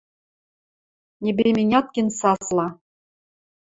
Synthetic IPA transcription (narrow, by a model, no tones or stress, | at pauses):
nʲebʲemʲenʲɑt̪̚kʲĕnsɑslˠɑ